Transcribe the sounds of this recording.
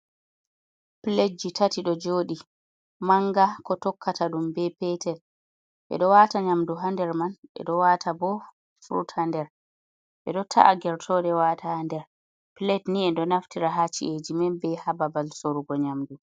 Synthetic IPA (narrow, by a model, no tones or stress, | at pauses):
pled͡ʒitatiɗɔd͡ʒoːɗi | maŋɡakɔtɔkːataɗumbɛpɛtʰɛl | ʔɛ̰ɗɔwataɲamduɦandɛɾmanɛ̰ɗɔwaːtʰabɔ | fɾṵthandɛɾ | ʔɛ̰ɗɔtʰa̰ʔaɡɛɾtʰɔɗɛwaːtʰahandɛɾ | plɛtniɛndɔnaftiɾaɦat͡ʃːḭʔed͡ʒimɛnbɛhababalsoɾuɡɔɲamdu